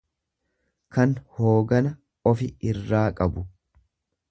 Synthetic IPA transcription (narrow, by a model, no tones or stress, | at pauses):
kɐnhoːɡɐnɐ | ɔfɪɪrːaːkʼɐbʊ